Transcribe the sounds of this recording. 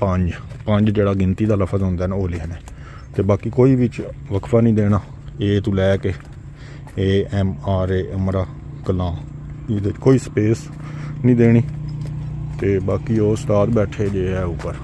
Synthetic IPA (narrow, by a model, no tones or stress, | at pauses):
pəɲd͡ʒpəɲd͡ʒd͡ʒeːɽaːɡɪnt̪iːd̪aːləfʰəzɦõːnd̪ɛːnːoːleːɦənɛː | t̪eːbaːkiːkoːiːʋɪt͡ʃʋəkʰʋaːnĩːd̪eːɽ̃aː | eːt̪ũːlɛːkeː | eːɛmaːɾeːʔəmɾaː | kəlãː | d̪et͡ʃkoːiːsə̥peːs | nĩːd̪eːɽ̃iː | t̪eːbaːkiːoːst̪aːt̪bɛːʈʰeːd͡ʒeːɛːʊpːəɾ